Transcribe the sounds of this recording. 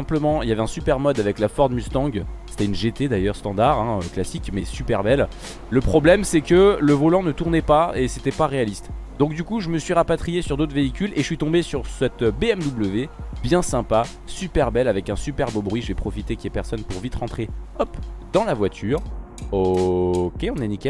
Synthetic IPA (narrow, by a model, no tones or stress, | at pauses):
sɛ̃pləmɑ̃iljavɛɛ̃sypɛʁmɔd̪avɛklafɔʁd̪myst̪ɑ̃ɡse̥t̪ɛynʒet̪ed̪ajœʁst̪ɑ̃d̪aʁɛ̃øklasikmɛsypɛʁbɛlː | əpχɔblɛmsɛkələvɔlɑ̃nət̪uʁnɛpaeset̪ɛpaʁealist̪d̪ɔ̃k̚d̪ykuʒəməsɥiʁapat̪χijesyʁd̪ot̪χveikʲyleʒəsɥit̪ɔ̃besyʁsɛt̪beɛmd̪ubləvebjɛ̃sɛ̃pa | sypɛʁbɛlavɛkɛ̃sypɛʁbobʁɥiʒəvɛpχɔfit̪ekʲiɛpɛʁsɔnpuʁvit̪χʁɑ̃t̪χeɔpd̪ɑ̃lavwat̪ʰyʁ | okʲeɔ̃nɛnikʲɛ